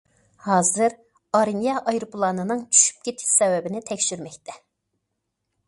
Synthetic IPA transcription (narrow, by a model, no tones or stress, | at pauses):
hɑːzɨɾ | ɑɾinjɑʔɑjɾɨpʰlˠɑnɨnɨŋt͡ʃʰy̥ʃy̥p̚kʲʰet̪ʰɪ̥ʃsɛwɛbɪnɪt̪ʰɛkʲʃyɾmɛkʲt̪ʰɛ